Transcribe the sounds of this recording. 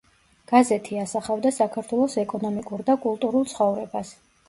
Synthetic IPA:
ɡ̥azɛt̪ʰiasaχavd̪asakʰaɾt̪ʰwɛlˠɔsɛkʼɔnɔmikʼuɾd̪akʼulˠt̪ʼuɾulˠt̪sʰχɔvɾɛbas

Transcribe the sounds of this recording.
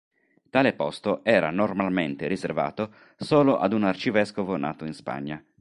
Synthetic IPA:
t̪aːlepɔst̪oʔɛːɾa̰normalment̪eɾizerva̰ːt̪o | soːloʔa̰d̪unart͡ʃivɛskovonʔa̰ːt̪oinspa̰ɲːa

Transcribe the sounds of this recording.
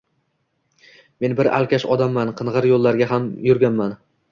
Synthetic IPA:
me̞nbɪɾa̰lˠkʲʰaʃɒd̪amːanqʰɨnʁɨɾjolˠːaɾɡʲaɦamjʊɾɡʲanman

